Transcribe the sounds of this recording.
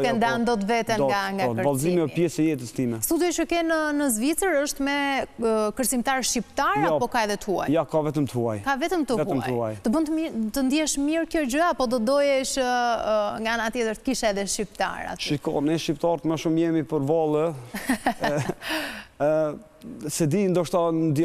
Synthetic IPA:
kɛnd̪and̪ɔt̪vɛt̪ɛnɡaŋɡakəɾbalzimipjɛsɛjɛt̪əst̪imɛst̪ud̪jɔt͡ʃəkɛnənəzvit͡səɾəʃt̪mɛ | kəɾt͡simt̪aɾʃt͡ʃipt̪aɾjapɔkaɛðɛt̪əua̰jjakavɛt̪əmt̪əhuajkavɛt̪əmt̪əmtuajt̪əbənt̪əmit̪ənd̪iɛʃmiɾkjɔd͡ʑəapɔd̪ɔd̪ɔjɛʃ | ŋɡaanat̪jɛt̪əɾt̪ə̥kiʃaɛðɛʃt͡ʃipt̪a̰ɾa̰ʃika̰nɛʃipt̪ɑɾt̪maʃumjɛmipəɾvalˠə | sɛd̪ind̪ɔʃt̪and̪

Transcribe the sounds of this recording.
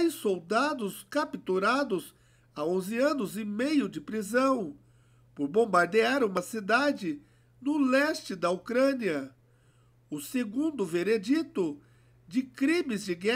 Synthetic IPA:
jsowd̪ad̪ʊskapit̪uɾad̪ʊs | aõzɪɐ̃nʊzɪmejʊd͡ʒɪpɾizɐ̃w̃ | poɾbõbaɾd̪eaɾũmɐsid̪ad͡ʒɪ | nʊlɛst͡ʃɪd̪ɐukɾɐ̃niɐ | ʊseɡũnd̪ʊveɾed͡ʒit̪ʊ | d͡ʒɪkɾĩmɪzd͡ʒɪɡɛ

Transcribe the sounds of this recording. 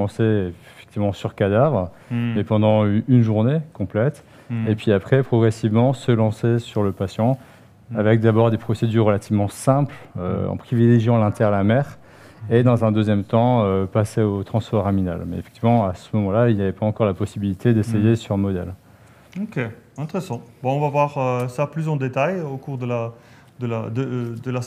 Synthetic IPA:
ɑ̃see | fɛ̥k̚t̪ivmɑ̃syʁkad̪avʁ | mepɑ̃d̪ɑ̃ynʒuʁnekɔ̃plɛt̪ | epɥiapχɛpχɔɡʁɛsivmɑ̃səlɑ̃sesyʁləpasjɑ̃ | avɛk̚d̪abɔʁd̪epχɔsed̪yʁːəlat̪ʰivmɑ̃sɛ̃plø̰ɑ̰̃pχivileʒjɑ̃lɛ̃t̪ʰɛʁlamɛʁ | ed̪ɑ̃zɛ̃d̪øzjɛmt̪ɑ̃øpaseot̪χɑ̃sfɔʁamina̰lmɛefɛ̥kt̪ivmɑ̃asəmɔmɑ̃lailjavɛpaɑ̃kɔʁlapɔsibilit̪ed̪esejesyʁmɔd̪ɛ̰l | okʲeɛ̃t̪eʁesɑ̃bãɔ̃vavwaʁøsaplysɑ̃d̪et̪ajokuʁd̪əla | d̪əlad̪əd̪əla

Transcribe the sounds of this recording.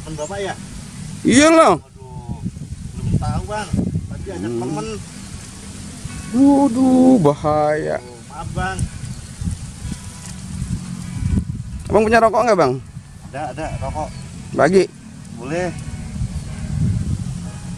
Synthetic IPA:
məndapaja | ijala | dut̪aubaŋamən | dudubahaja̰ʔ | abaŋ | a̰baŋpuɲaɾɔkɔʔŋɡabaŋ | adadarɔkɔʔbaɡiʔ | bolɛh

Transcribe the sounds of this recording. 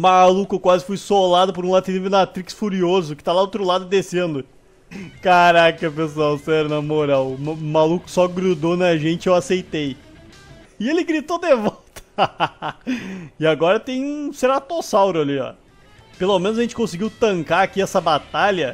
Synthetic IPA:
malukʊkwazɪfujsolad̪ʊpoɾũlad̪t̪livɾʊnat̪ɾiksfuɾiozʊkɪt̪alad̪owt̪ɾʊlad̪ʊd̪esẽnd̪ʊ | kaɾakɐp̬es̬uawsɛɾʊnɐmoɾawmalukʊ̥sɔɡɾud̪onɐʒẽnt͡ʃɪewasejt̪ej | ɪelɪɡɾit̪od̪evɔwt̪ɐ̥ | ɪaɡɔɾɐt̪ẽj̃ũseɾat̪osawɾʊaliɔ̰ | pelomẽnʊzɐʒẽnt͡ʃɪ̥kõsɪɡiwt̪ɐ̃ŋkaakiɛsɐbat̪aʎɐ

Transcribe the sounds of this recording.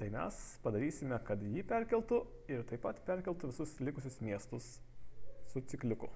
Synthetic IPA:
t̪ɐɪmʲɛ̰spɐd̪ɐɾʲiːsʲɪmʲɛkɐt̪jiːpʲɛɾʲkʲɛlʲˠt̪ʊ | ɪɾt̪ɐɪpːɐt̪pʲɛɾʲkʲɛlʲˠt̪ʊʋʲɪsʊslʲɪkʊsʲʊsmʲiɛst̪ʊsː | ʊt̪sʲɪklʲʊkʊ

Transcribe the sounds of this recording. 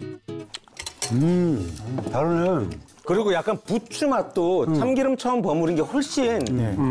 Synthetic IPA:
ɯ | taɾɯnʌn | kɯɾiɡojak͈anput͡ɕʰumat͈ot͡ɕʰamɡiɾɯmt͡ɕʰʌmpʌmuɾinɡe̞ɸoɭɕ͈in

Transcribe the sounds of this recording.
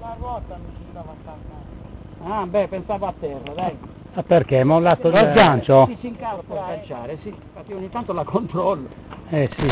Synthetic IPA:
larwɔːt̪anut͡ʃind̪avat̪ːarna | abɛpensaːvaat̪ːɛrːad̪aɡ | apːerkɛmalːat̪ːod̪elɡjant͡ʃot͡ʃiŋkaopɔkant͡ʃaːɾesipat̪ioɲːit̪ːant̪olakʰːont̪ɾɔlːo | ɛsi

